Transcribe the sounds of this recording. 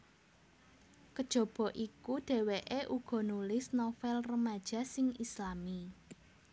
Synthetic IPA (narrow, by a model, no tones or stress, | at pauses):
kəd̥ʒ̥o̤b̥ɔ̤ʔikuɖ̥e̤weʔeʔuɡ̥ɔ̤nulɪsnofɛlrəmad̥ʒ̥ä̤sɪŋislami